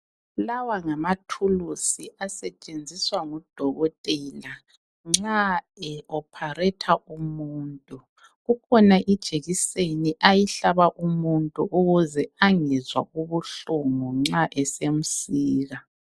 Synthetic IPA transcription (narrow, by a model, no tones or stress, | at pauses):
lawaŋamatʰulusiʔasɛt͡ʃʼend͡zʱiswaŋɔd̥ʱɔɣɔtʼɛla | ŋ͡ǁaɛɔpʰarɛtʰaʔumuːntʼu | ɣukʰɔnaʔid̥ʒ̥ʱeɣiseniʔajiɬaβaʔumuntʼuʔuɣuzɛaŋɛzwa̰ɣuβuɬumɔŋ͡ǁaʔɛsem̩siːɣa